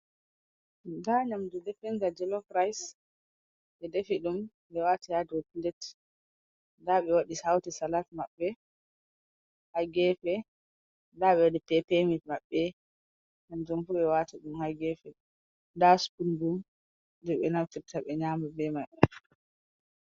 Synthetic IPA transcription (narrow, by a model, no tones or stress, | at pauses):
daɲamdudɛfɛŋɡad͡ʒɛlɔkɾajs | ɓɛdefiɗum | ɓɛwatijadopindɛt | daɓɛwaɗisawtisalatmaɓːɛ | haɡɛfɛ | ndaɓɛwadipɛpemimaɓːɛ | ɲamdumfuɓɛwataɗumhaɡɛfɛ | daspundum | dɛɓɛnaftiɾtaɓɛɲaːmabɛmaɓɛ